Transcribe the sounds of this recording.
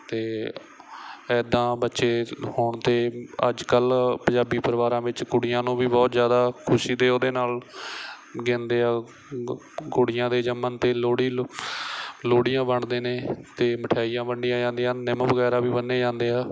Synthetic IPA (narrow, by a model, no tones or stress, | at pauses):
t̪eː | ɛːd̪ãːbətːʃeːhʊɳt̪eːə̰d͡ʒkəlpəɲd͡ʒaːbiːpəɾʋaːɾãːʋɪt͡ʃkʊɽɪjãːnũːʋiːbɔːt̪zjaːd̪aːkʰʊʃiːd̪eːoːd̪eːnaːl | ɡɪ̃nd̪eːaː | ɡoːɽɪjãːd̪eːd͡ʒəmːənt̪eːloːɽiː | loːɽɪjãːbəɳd̪eːneːt̪eːməʈʰaːiːjãːbəɳɖɪijãːd͡ʒãːnd̪ejãːnɪmʋəɣɛːɾaːʋiːbənːeːd͡ʒãːnd̪eːɦaː